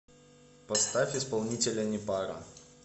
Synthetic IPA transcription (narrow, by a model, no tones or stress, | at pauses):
pɐst̪afʲɪspɐlˠnʲitʲɪlʲənʲɪpaɾɐ̰